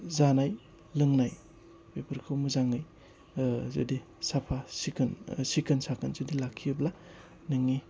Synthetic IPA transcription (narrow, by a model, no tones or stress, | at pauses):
zanaj | lɯŋnaj | pepʰɯɾkʰɯmuzaŋɯj | zɯ̰di | sapʰasikʰɯnsikʰɯnsakʰɯnzɯdilakʰːiɯbla | nɯŋi